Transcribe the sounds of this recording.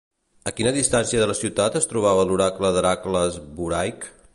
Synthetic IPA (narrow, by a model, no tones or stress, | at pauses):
əkinəðist̪ansiəðələsiwt̪at̪əst̪ɾuβ̞aβəluɾakləðəɾakləzβuɾajk